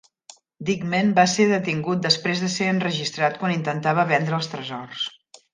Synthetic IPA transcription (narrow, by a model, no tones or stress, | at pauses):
d̪iɡmenbaseðət̪iŋɡut̪̚d̪əspɾezðəseənrəʒist̪ɾat̪̚kwanint̪ənt̪aβəβɛnd̪ɾəːlˠst̪ɾəzɔrs